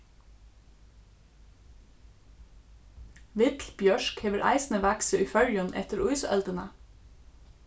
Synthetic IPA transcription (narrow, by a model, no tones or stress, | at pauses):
ʋɪt̪l̩b̥jœʃkheːʋəɾʔæ̰ɪsn̩əʋæksəyːfœljənʔɛ̰t̪əɾʊʏsəʔɛ̰ld̪ənə